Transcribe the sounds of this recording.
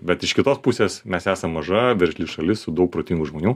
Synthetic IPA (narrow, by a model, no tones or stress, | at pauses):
bʲɛt̪ɪʃkʲɪt̪oːspʊsʲeːsmʲɛsæːsɐmːɐʒɐʋʲɛɾʲʃʲlʲiʃɐlʲɪssʊd̪ɐʊk̚pɾoːt̪ʲɪŋɡuʒmoːnʲuː